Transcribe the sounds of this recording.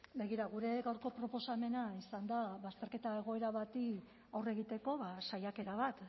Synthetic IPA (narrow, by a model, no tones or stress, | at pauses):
be̞ɣiɾaɣuɾe̞ɣawɾko̞pɾo̞po̞same̞naisand̪aβast̪e̞ɾke̞t̪ae̞ɣ̞o̞e̞ɾaβat̪i | owre̞ɣit̪e̞ko̞βasajake̞ɾaβat̪